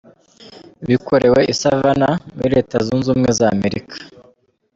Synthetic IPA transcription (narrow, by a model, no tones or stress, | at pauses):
βikʰo̞ɾe̞we̞ʔisavanamuɾiɾe̞ːtazunzuːmŋezaːme̞ɾikʰḁ